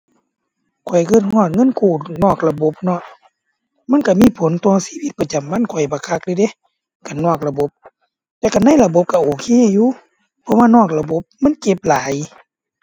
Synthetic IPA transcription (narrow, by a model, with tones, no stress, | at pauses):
kʰɔ˨˩jkɤː˧˩t̪̚hhɔː˧˩t̪̚ŋɤ˧˥˨nkʰuː˧˩nɔː˧˩k̚la˧bo˧˦p̚nɔ˧˩˨ʔ | ma˧˥˨nka˧˩miː˧˥˨pʰo˨˦nt̪ɔː˧˩siː˧˥˨wi˧˦t̪̚pa˧t͡ɕa˨˩mba˧˥˨nkʰɔ˨˩jbaː˨˩kʰa˧˥k̚dɯ˧˨de˧˦˨ | ka˨˩nɔː˧˩k̚la˧bo˧˦p̚ | t̪ɛː˧wka˧˩na˧˥˨jla˧bo˧˦p̚ka˧˩ʔoː˨˩kʰeː˧˥˨juː˧˨ | pʰɔ˧˥waː˧˨nɔː˧˩k̚la˧bo˧˦p̚ma˧˥˨nke˧˦p̚laː˨˦j